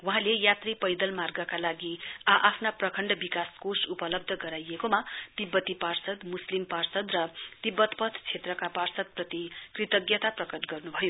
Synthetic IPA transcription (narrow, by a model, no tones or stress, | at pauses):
wʌɦãlejat̪ripʌjd̪ʌlmarɡʌkalaɡiaʔapʰnaprʌkʰʌɳɖʌbikaskosupʌlʌb̚d̪ʱʌɡʌɾajekomat̪ibːʌt̪iparsʌd̪muslimparsʌd̪rʌt̪ibːʌt̪pʌt̪ʰt͡sʰet̪rʌkaparsʌd̪̚prʌt̪ikrit̪ʌɡjʌt̪aprʌkʌʈɡʌrnubʱʌjo